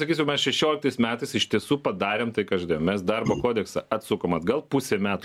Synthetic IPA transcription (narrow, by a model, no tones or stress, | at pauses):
sɐkʲiːs̬ʲʊmʲɛsʃʲɛʃʲoːlʲɪkt̪ɐɪsmʲæːt̪ɐɪsɪʃʲt̪ʲiɛsuːpɐd̪ɑːɾʲeːmt̪ɐɪkɐʒʲd̪eːjomʲɛsd̪ɐrboːkoːd̪ʲɛksɐʔɐt̪sʊkoːmɐd̪ɡɐlˠpʊsʲeːmʲæːt̪ː